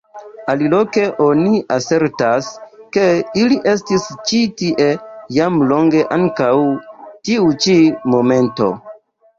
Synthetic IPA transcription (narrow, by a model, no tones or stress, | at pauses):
alilo̞ke̞ʔo̞niʔase̞ɾtaske̞iliʔe̞stist͡ʃitiʔe̞jamlo̞ŋɡe̞ʔaŋkawtiut͡ʃimo̞me̞nto̞̰